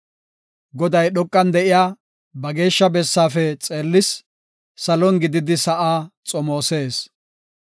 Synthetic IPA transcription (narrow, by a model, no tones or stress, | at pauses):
ɡɔd̪ɐjɗɔkʼːɐnd̪ɛʔɪjaː | bɐɡe̞ːʃːɐbɛsːaːfɛt͡sʼeːlːɪsː | ɐlɔnɡɪd̪ɪd̪ɪsɐʔaːt͡sʼɔmo̞ːse̞ːs